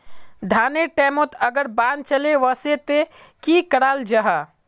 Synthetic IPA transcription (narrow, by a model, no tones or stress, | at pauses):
d̪ʱaːneʈɛːmot̪ɐɡəɾbãːn̚t͡ʃɐleʋɐset̪ekikɐɽaːld͡ʒɐɦaː